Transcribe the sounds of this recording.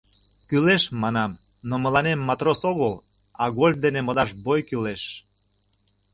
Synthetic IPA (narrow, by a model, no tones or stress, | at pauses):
kyleʃmɑnɑm | nomə̆lɑnemːɑt̪rosoɣəl | ɑɣolʲfd̪enemod̪ɑʃbojkyleʃ